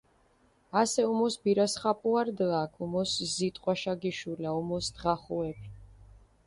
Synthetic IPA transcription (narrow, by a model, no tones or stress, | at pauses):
asɛumɔsbiɾasχapʼuaɾd̪lakʰumɔszit̪ʼqʼwaʃaɡiʃulaumɔsd̪̥ʁaχuɛbi